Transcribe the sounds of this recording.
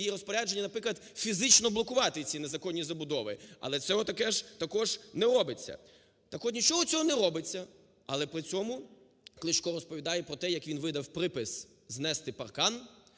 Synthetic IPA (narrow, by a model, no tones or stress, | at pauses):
jiɾɔspɔɾʲad͡ʒe̞nʲːɐnɐpɾɪklˠɐd̪fʲizɪt͡ʃnɔblˠɔkʊʋɑt̪ɪt͡sʲinezɐkɔnʲːizɐbʊd̪ɔʋɪɐ̰lˠɛt͡sʲɔɦɔt̪ɐkɛʒt̪ɐkɔʒnɛɾɔbɪt͡sʲːɐ̰ | t̪ɐkɔt̪nʲit͡ʃɔɦɔt͡sʲɔɦɔnɛɾɔbɪt͡sʲːɐ | ɐlˠɛpɾɪt͡sʲɔmʊ | klˠɪʃkɔɾɔspɔʋʲid̪ɑjɛpɾɔt̪ɛjɐkʋʲinʋɪd̪ɐwpɾɪpɪs | znɛst̪ɪpɐ̰rkɑn